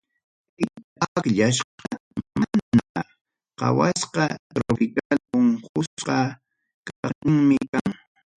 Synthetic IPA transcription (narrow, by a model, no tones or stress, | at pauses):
ɪtakʎaʃqɑmanna | qɑ̰wasqɑt̪ɾofɪkalʊŋhʊsqɑ | kaχnɪŋmɪkaŋ